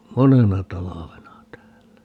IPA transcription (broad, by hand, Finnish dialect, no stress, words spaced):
monenɑ tɑlɑʋenɑ tæːlːæ